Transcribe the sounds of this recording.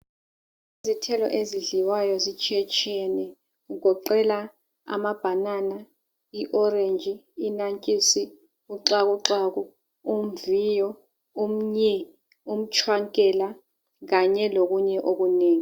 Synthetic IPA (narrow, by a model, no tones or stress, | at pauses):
izitʰɛlɔ̰ʔeziɮiwajɔzit͡ʃʰɛt͡ʃʰʼɛnɛ | uk̬ɔǃɛla | a̰mab̥ʱanana | iʔɔrend͡ʒʱiːnaŋkʼisi | uǁak̬uǁak̬u | um̩vijɔ | um̩ɲɛ | um̩t͡ʃʰwaŋkʼɛla | k̬aɲɛlok̬uɲɛʔok̬uneːŋi